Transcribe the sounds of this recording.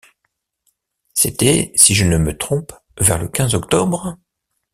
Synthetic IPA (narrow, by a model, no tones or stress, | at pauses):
set̪ɛsiʒənəmət̪χɔ̃p | vɛʁləkʲɛ̃zɔkt̪ɔbʁ